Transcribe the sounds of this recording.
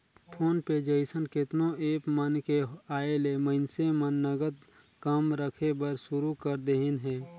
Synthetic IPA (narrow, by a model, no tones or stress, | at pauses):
pʰoːnpeːd͡ʒəɪsənkɪt̪nõeːpmənkeaːelemə̃ɪnsemənːəɡəd̪ | kəmɾəkʰebəɾʃʊɾukəɾd̪eɦɪnɦɛː